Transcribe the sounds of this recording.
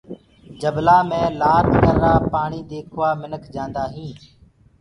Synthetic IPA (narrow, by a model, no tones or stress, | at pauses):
d͡ʒəblaːmẽːlaːɾkəɾːaːpaːɳiːd̪eːkʰʋaːmɪnəkʰd͡ʒãːnd̪aːɦĩː